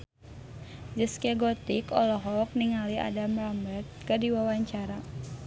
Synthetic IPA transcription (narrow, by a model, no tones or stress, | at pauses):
d͡ʒəskɛɡɔt̪ikɔlɔɦɔk̚niŋalia̰damrambərt̪̚kədiwawaɲt͡ʃaɾa